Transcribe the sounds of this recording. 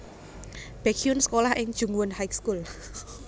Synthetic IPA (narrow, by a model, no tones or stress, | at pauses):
b̥ɛkʰiʊnsə̥kolahʔɪŋd̥ʒ̥ṳŋwʊnhajkskul